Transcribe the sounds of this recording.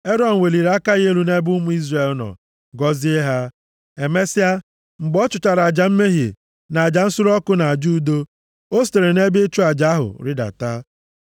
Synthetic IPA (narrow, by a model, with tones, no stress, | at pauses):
e˦ɾɔ˦n̩˨we˨li˨ɾa˦ka˦ɣe˦ɾu˦ne˦bu˦mu˦i˦zre˨lnɔ̰˨ | ɡɔ˦zɪ˦e˦ɦa˦ | e˨me˦si˦a˦ | ŋ͡m̩˨ɡ͡bɔ˦t͡ʃʊ˨t͡ʃa˨ɾa˨d͡ʒa˨m̩˦me˦ɦi˨ | na˨a˨d͡ʒa˨n̩˦sʊ˦ɾɔ˦kʊ˦na˨a˨d͡ʒu˦do˦ | o˦ste˨ɾe˨ne˦bɪ˦t͡ʃu˦a˨d͡ʒa˦ɦʊ̰˨ɾɪ˦da̰˨ta˦